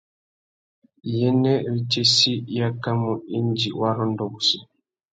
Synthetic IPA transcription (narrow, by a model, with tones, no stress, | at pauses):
jɛ˦nɛ˦ɾi˦t͡ʃe˦si˦ja˦ka˦mu˨i˦nd͡ʒi˨wa˦ɾɔ˦ndɔ˨ɡu˨si˨